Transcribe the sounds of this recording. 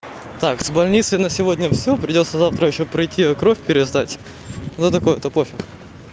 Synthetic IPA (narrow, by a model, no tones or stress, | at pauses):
t̪akzbɐlʲnʲit̪sɨjnəsʲɪvodʲnʲəfsʲopɾʲɪdʲo̞t̪səzaft̪ɾəjɪɕːopɾɐjtʲʰːiɐkɾofʲpʲɪɾʲɪzd̪atʲ | d̪ot̪ɐkojət̪ɐpofʲɪ